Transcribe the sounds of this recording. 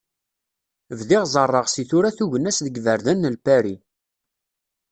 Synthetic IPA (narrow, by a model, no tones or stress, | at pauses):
vðiʁzˤərˤːəʁsiθuɾæθuʝənːæsðəɡvəɾðænːəlpæɾi